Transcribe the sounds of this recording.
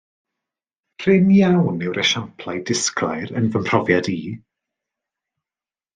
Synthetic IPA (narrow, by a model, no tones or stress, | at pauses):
pʰr̥ɪmjawnɛwɾɛʃampʰlˠajdɪsklajɾənvəmpʰr̥ɔvjadiː